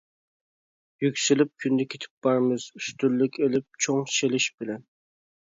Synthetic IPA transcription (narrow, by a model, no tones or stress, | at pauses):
jykʲsɪlɪp̚kʲʰynd̪ɛkʲʰet̪ʰɪ̥p̚b̥ɑɾmɪz̥yst̪ylːɪkʲelɪp̚t͡ʃʰoŋʃelɪʃb̥ɪlɛn